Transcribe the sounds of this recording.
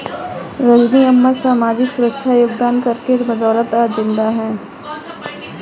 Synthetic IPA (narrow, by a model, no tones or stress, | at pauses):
ɾəd͡ʒniɐmːasaːmaːd͡ʒɪksʊɾəkʃʰajoːɡd̪aːnkɐɾkeɾbɐd̪ɔːlət̪aːd͡ʒɪ̃nd̪aɦɛ̃ː